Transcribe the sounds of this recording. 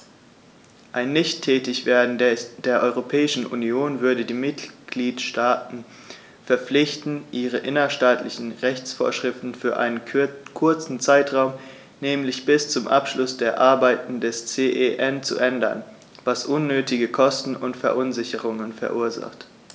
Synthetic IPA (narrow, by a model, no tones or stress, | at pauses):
ʔaɪnːɪçtʰːɛːtɪçv̥eːɐdn̩d̥eːɐʔɔʏʁopʰɛːɪʃn̩ʔṵnioːnvʏɐdədiːmɪtɡ̥liːtʃtaːtn̩ | fɛɐp͡flɪçtn̩ʔiːʁəʔɪnɐʃtaːtlɪçn̩ʁɛçt͡sfo̰ːɐʃʁ̥ɪftn̩fyːɐʔa̰ɪnənkʰʊɐt͡sn̩t͡saɪtʁ̥aʊm | nɛːmlɪçb̥ɪst͡sʊmʔa̰pʃlʊsd̥eːɐʔaɐbaɪtn̩dɛst͡seːʔeʔɛnt͡sṵʔɛndɐ̰n | vasʔʊnːøːtɪɡəkʰɔstn̩ʊntfɛɐʔʊnzɪçəʁʊŋənfɛɐʔuːɐza̰χt